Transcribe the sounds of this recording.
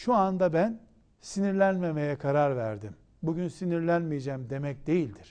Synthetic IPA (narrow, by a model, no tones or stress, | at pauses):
ʃuand̪abæn | siniɾlʲænme̞me̞jɛkʰaɾaɾvæ̰ɾd̪im | buɟynsiniɾlʲænmijed͡ʒɛːmd̪e̞mɛc̚d̪e̞jilʲd̪iɾ̥